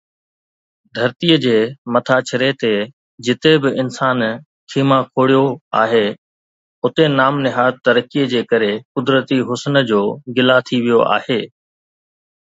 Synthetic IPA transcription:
d̪ʱɐɾt̪iəd͡ʑeːmɐt̪ʰat͡ɕʰɪɾet̪e | d͡ʑɪt̪ebɪɪnsaːn | kʰiːmãkʰoːɽijoa̰ːɦeː | ʊt̪enaːmnɪɦaːt̪ːɐɾəkijəd͡ʑeːkɐɾekʊd̪ɾət̪iɦʊsnə̆d͡ʑoːɡɪlat̪ʰiʋijoʔa̰ːheː

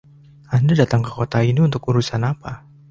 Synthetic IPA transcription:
andadat̪aŋkəkot̪ainiunt̪ʊkuɾusanapa

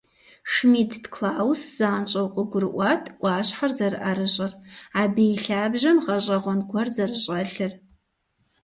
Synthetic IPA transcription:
ʂmiːtʰdkʰlaːwsz̥aːnt͡ʃʼɐwqʷʼəɡʷʊɾɨʔʷɑːtʰʔʷɑːɕħarzɐɾɨʔɐɾɨɕʼɐraːbejɬaːbʒɐmʁɐɕʷʼɐʁʷɔnɡʷɐrzɐrɨɕʼɐɬɨr

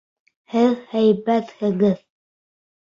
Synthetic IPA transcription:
hɘðhæjbæt̪hɘ̆ɣɘð

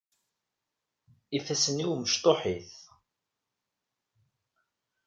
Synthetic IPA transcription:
ifæsəniwməʃt̪ˤoħiθ

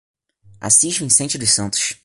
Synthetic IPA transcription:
a̰siʃt͡ʃʊẽj̃sẽt͡ʃɪd̪ʊʃsɐ̃nt̪ʊ̥ʃ

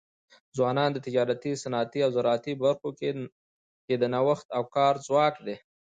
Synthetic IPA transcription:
zwɑnɑnd̪ət̪ɪd͡ʒɑɾat̪isanɑt̪iawzaɾɑt̪ibaɾxoke | ked̪ənawaxt̪awkɑɾzwɑkd̪e

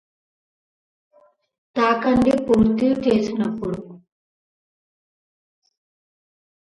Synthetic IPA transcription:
t̪aːkɐɳɖipuːɾt̪ilut͡ʃeːsinɐpːuɽu

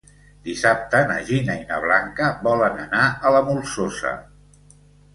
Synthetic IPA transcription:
d̪isap̚t̪ənə̰ʒinainə̰β̞laŋkəbɔlənənaʔələmulˠsosə̰

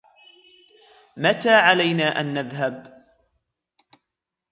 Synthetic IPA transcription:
mat̪aːʕalajnaːʔanːaðɦab

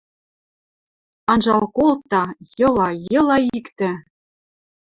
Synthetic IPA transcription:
ɑnʒɑlkolˠt̪ːɑjɤ̆lˠɑjɤ̆lˠɑikt̪ɘ̆

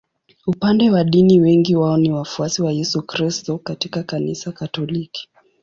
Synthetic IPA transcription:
upandɛwaɗiniwɛŋɡiwaɔniwafuasiwajɛsukɾistɔkatikakanisakatɔliki̥

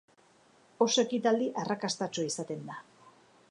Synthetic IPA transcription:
osoe̞kit̪ald̪iʔarakast̪at͡ʃoisat̪e̞nd̪a

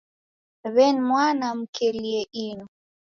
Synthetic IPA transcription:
βɛnmwanam̩kʰelieʔinu

